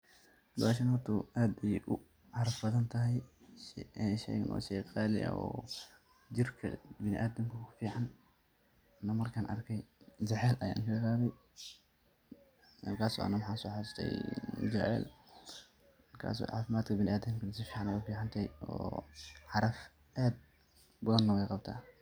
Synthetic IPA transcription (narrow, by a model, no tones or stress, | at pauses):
d̪ʊaʃ̬ɐnɔt̪ʰʊʔaːd̪ɛjʔʊ | ħɑɾɐfbɐðɐnt̪ʰɐɦɛj | ʃɛ̰jnɔ̰ːʃɛjqʼɑːlɪ̰ʔɐ̰ʔɔ̰ː | d͡ʒɪrkʰɐ̰bɪnɪ̰ʔaːd̪ɐmkʰɐkʰʊ̥fiːħan | nɐmɐrkʰɐnʔɐ̰rkʰɛjd͡ʒɛʕɛːlʔɐja̰ːnʃɪlɾaːβɛj | mɐrkʰaːsɔ̰ʔɐ̰nɐmħaːnsɔːħɑɾɪst̪ʰɛ̰j̰d͡ʒɛʕɛ̰ːl | rkʰa̰ːsɔ̰ːʕa̰ːfɪmaːd̪kʰɐbɪnɪʔaːd̪ɪmkʰɐnɐsɪfiːʕɑnwʊfiːʕɑnt̪ʰɐhɛjɔ̰ːħɑɾɐf | ʔaːd̪̚ | bɐðɐnːɐwɛjqɑb̚t̪ʰa̰ː